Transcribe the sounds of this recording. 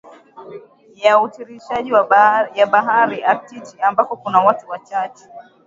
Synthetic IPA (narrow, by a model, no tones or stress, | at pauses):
jautiɾiʃaʄiwajaɓaɦaɾiʔatitiambakɔkunawatuwat͡ʃat͡ʃɛ̥